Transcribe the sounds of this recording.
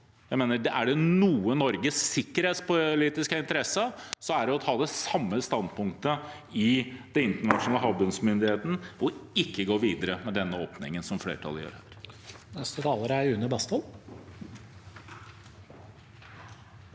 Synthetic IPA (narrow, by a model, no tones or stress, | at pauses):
jæɪmeːnəɖɛʔæɖɛnuːənɔɾɡəsːɪkːəɾheːt̪spʊliːt̪ɪskəɪnt̪əɾɛsəsɔæɖɛɔt̪ʰɑːd̪ɛsɑmːəst̪ɑnd̪pʊŋk̚t̪ə | ɪd̪̥ɛnɪnt̪əɳɑʂnɑːləɦɑbənsmʏnd̪ɪheːt̪n̩ɔɪkːəɡoːɾʋiːd̪əɾəmɛd̪ɛnːəo̰ːpnɪ̰ŋənsɔmfɽḛːɾəʈʰɑ̰lːəjø̰ːɾæ̰ːɾnɛst̪ət̪ʰɑːləɾæjʉnːəbɑst̪ɔl